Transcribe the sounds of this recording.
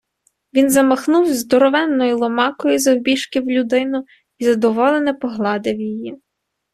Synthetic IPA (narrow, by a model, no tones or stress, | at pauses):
ʋʲinzɐmɔxnuwzd̪ɔɾɔʋɛnːɔjilˠɔmɑkɔjizɐwbʲiʃkɪwlʲʊd̪ɪnʊ | izɐd̪ɔʋɔlˠenɛpɔɦlˠɑd̪ɪwjiji